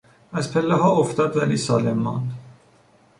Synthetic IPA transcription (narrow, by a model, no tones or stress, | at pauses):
æzpʰelːeɦɒːoft̪ɒːd̪væliːsɒ̰ːlemːɒ̰ːnd̪